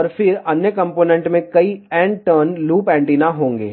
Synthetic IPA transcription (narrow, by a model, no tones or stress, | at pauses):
ɔːɾfɪɾɐnjəkɐ̃mpoːnɛ̃ɳʈmẽkɐiɛ̃ːɳɖʈəːnluːpɛ̃ːɳʈinaɦõːŋɡḛː